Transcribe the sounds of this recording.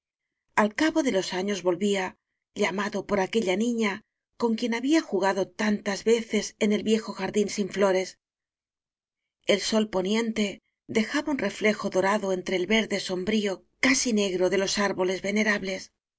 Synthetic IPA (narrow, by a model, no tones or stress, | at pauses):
alkaβo̞ðe̞lo̞saɲo̞zβo̞lβia | ʎamaðo̞po̞ɾake̞ʎanĩɲa | ko̞ŋkje̞naβiaxuɣaðo̞t̪ant̪azβe̞θe̞se̞ne̞lβje̞xo̞xaɾðinsiɱflo̞ɾe̞s | e̞lso̞lpo̞njẽ̞nt̪e̞ | ðe̞xaβaunre̞fle̞xo̞ðo̞ɾaðoe̞nt̪ɾe̞ːlβe̞ɾðe̞so̞mbɾio̞ | kasine̞ɣɾo̞ðe̞lo̞saɾβo̞le̞zβe̞ne̞ɾaβle̞s